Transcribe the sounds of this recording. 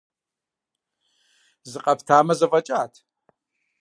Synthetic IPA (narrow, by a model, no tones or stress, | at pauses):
zɨqʼɐpʰtʰaːmɐzɐvɐt͡ʃʼaːtʰ